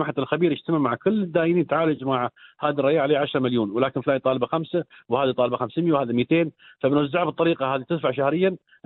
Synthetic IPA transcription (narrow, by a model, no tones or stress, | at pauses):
maħat̪alxabiːɾɪd͡ʒt̪amaʕmaʕkʊlːɪd̪ːaːjɪniːnt̪aʕaːlʊd͡ʒmaʕhaːd̪irˤɑjaːʕaleːʕaʃɾˤɑmaljuːnwlaːkɪnflaːjit̪ˤɑːlɪbaxamsawhaːðit̪ˤɑːlbaxamsɪmjawhaːðimit̪eːn | faɪnazaʕabt̪ˤːɑɾiːqɑhaːðit̪ɪd̪faʕʃahɾɪjːan